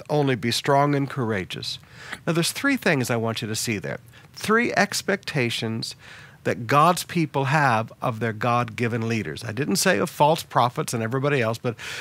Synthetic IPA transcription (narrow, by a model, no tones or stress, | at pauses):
ʔõʊ̃nlibistɹ̥ɔ̃ŋɨ̃nkʰə˞eɪd͡ʒɨ̰snaʊðə˞z̥θɹiθɪ̃ŋzaɪwɑ̃nt͡ʃɨɾɨsiðə̰˞ | θɹiʔɛkspɛk̚tʰeɪʃɨ̃nz̥ðɨt̚ɡ̥ɑdz̥pʰipl̩ˠəvʔʌvðə˞ɡɑd̚ɡɪvɨ̃nliɾə̰˞zaɪdɪdⁿn̩tseɪʌv̥fɔlˠspʰɹ̥ɑfətsɨ̃nɛvɹibɑɾiɛlˠsb̥ʌt̚